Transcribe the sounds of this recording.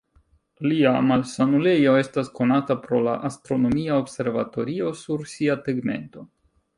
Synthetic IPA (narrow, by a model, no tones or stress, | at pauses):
liamalsanule̞jo̞e̞stasko̞natapɾo̞la̰ʔastɾo̞no̞miaobse̞ɾvato̞ɾio̞suɾsiateɡme̞̰nto̞